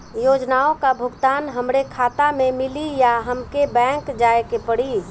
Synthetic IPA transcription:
joːd͡ʒnaːõkabʱʊɡt̪aːnɦəmɾekʰaːt̪amẽmɪlijaɦəmkebɛ̃ːŋkd͡ʒaːekepəɽi

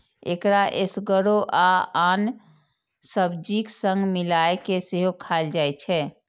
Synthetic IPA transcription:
ḛkɾaʔesɡəɾoʔaan | səbd͡ʒiksə̃ŋɡmilaekeseɦokʰald͡ʒajt͡ʃʰɛ

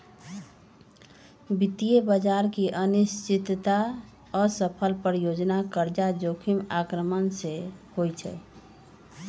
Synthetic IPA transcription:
bit̪ijebəd͡ʒaɾkiʔənist͡ʃit̪t̪a | ɔɾsəpʰəlpəɾjod͡ʒnakəɾd͡ʒad͡ʒokʰimakɾəmənsehojt͡ʃʰɛ̰

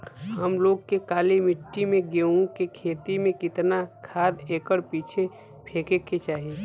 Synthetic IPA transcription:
ɦəmloːɡ̚kekaːlimɪʈːimẽɡeːũkekʰeːt̪imẽkɪt̪nakʰaːd̪eːkəɽpiːt͡ʃʰe | pʰeːkekːet͡ʃaːɦii

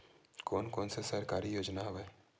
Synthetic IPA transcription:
kɔːnkɔːnsesəɾkaːɾijoːd͡ʒnaɦoʋɛː

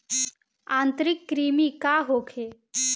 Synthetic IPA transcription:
ãnt̪ɾikːɾimiːkaɦokʰe

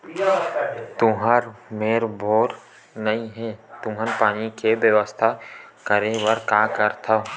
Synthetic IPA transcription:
t̪ʊɦaɾmeːɾbʱoːɾ | nɐĩɦɛt̪ʊɦənpaːnikebjəʋəst̪ʰa | kəɾeʋəɾkaːkəɾt̪ʰa

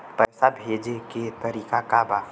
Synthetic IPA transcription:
pɛjsabʱeːd͡ʒeket̪əɾiːkakaba

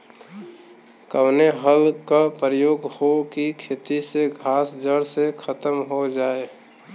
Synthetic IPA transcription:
kəwneɦəlkapɾəjoːɡhokikʰeːt̪iseɡʱaːsd͡ʒəɽsekʰət̪əmɦod͡ʒaːe

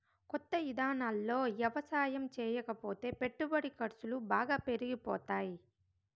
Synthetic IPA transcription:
kɔt̪ːɐid̪aːnaːlːo̞ːʋjɐʋɐsaːjɐmt͡ʃɛːjɐkɐpo̞ːt̪e̞ːpe̞ʈːubɐɽikɐɾsulubaːɡaːpe̞ɾiɡipɔːt̪aːji

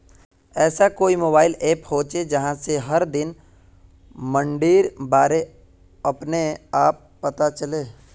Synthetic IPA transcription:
ɛːsakoːimoːbaːɪleːphoːt͡ʃed͡ʒɐɦãseɦɐɾd̪ɪn | mə̃ɳɖiːɾbaːɾe | ɐpneaːpːɐt̪at͡ʃɐleː

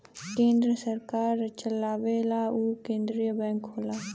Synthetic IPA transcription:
kẽːnd̪ɾəsəɾkaːɾt͡ʃəlaːʋelaːukẽːnd̪ɾijəbɛ̃ːŋkːoːlaː

